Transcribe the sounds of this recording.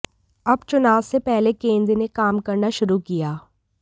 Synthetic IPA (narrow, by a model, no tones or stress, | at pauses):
ɐbt͡ʃʊnaːwsepɛɦlekẽːnd̪ɾnekaːmkɐɾnaʃʊɾukijaː